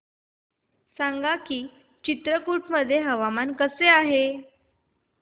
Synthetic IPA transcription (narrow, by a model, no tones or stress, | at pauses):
saŋɡakiː | t͡ɕit̪ɾəkuʈməd̪ʱːjeɦəʋamankəseaɦe